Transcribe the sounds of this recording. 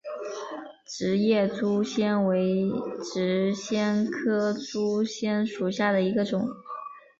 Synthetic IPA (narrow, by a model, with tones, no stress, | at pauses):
ʈ͡ʂɻ̩˧˥jɛ˥˩t͡su˥ɕjɛ˥nwe˧˥ɪʈ͡ʂɻ̩˧˥ɕjɛ˥nkʰɤ˥t͡su˥ɕjɛ˥nʂu˨˩ɕja˥˩d̪ə˩i˧˥ɡə˧ʈ͡ʂʊ˨˩˦ŋ